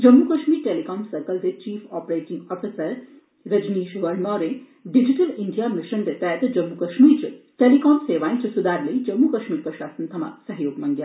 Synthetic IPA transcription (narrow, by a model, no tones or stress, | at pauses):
d͡ʒɐmːukɐʃmiːɾʈeːlikɔːnsɐɾkəlt̪et͡ʃiːfɔːpɾeːʈĩŋɡɔːfʰisəɾ | ɾɐd͡ʒniːʃʋɐɾnɔːɾẽ | ɖid͡ʒiʈɐliɳɖijamiʃənd̪et̪ɛːt̪d͡ʒɐmːukɐʃmiːɾt͡ʃʈelikɔːnseːʋaːĩt͡ʃɐsud̪aːɾlɐid͡ʒɐmːukɐʃmiːɾpɾɐʃaːsənt̪ʰɐma̰sɐɦjoːɡmɐŋɡjaː